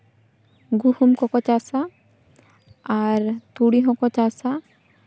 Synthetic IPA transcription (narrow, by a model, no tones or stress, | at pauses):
ɡuhumkɔkɔt͡ʃasa | aɹt̪uɽiɦɔkɔt͡ʃasa